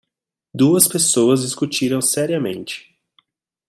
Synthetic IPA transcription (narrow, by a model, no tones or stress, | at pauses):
d̪uɐspesowɐzd͡ʒiskut͡ʃiɾɐ̃w̃sɛɾiɐmḛ̃nt͡ʃɪ̥